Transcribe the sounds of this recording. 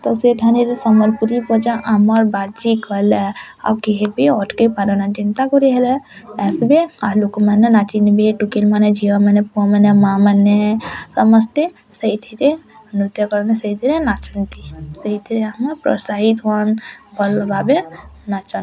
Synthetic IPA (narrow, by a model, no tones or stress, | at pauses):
t̪ɔseʈʰaneɾsəməlpuɾipɔd͡ʒaʔaməɾbat͡ʃikəle | a̰kiɦebiɔʈkepaɾnat͡ʃint̪akɔɾeɦelɛɛsbealokmanenat͡ʃinbeʈukilmaned͡ʒʱiʋamənepuɔmənemamənesəməst̪e | səit̪ʰiɾe | nut̪jəkɔɾnesəit̪ʰiɾenat͡ʃənt̪isəit̪ʰiɾeɦəməɾpɾɔ̰saɦit̪ɦuənbəlbabenat͡ʃən